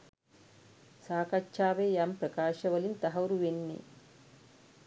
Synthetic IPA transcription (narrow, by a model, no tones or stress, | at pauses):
saːkɐt͡ʃːʃaːʋeːjampɾɐkaːʃɐʋɐlint̪ɐɦɐwuɾuʋenːḛ